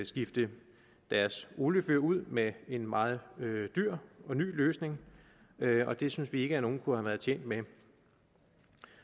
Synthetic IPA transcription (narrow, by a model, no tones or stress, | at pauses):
sɡ̥ifd̥ə | d̥æɐso̝ːləføɐ̰uð̞̰ˠmee̝nmɑ̈ːð̞̩ˠød̥yɐ̰ɒ̽ny̰ːløːsne̝ŋ | ɒ̽d̥e̝synsʋie̝ɡ̥əæno̝ːn̩kʰuhæʋæɐð̞̩ˠt͡ɕʰjḛːn̰d̥me